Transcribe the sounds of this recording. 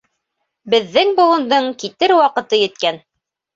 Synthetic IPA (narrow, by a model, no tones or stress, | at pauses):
bɘ̆ðːɘŋbŭlˠɤ̆nd̪ɤɴkit̪ɘɾwɑqɤ̆t̪ɤjɘ̆t̪kæn